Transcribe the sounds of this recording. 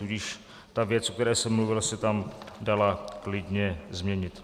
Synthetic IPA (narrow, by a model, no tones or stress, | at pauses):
uɟɪʃ | t̪avjɛt͡sʔokt̪ɛɾɛːsɛmːluvɪlsɛt̪amdalaklɪdɲɛzmɲɛɲɪt̪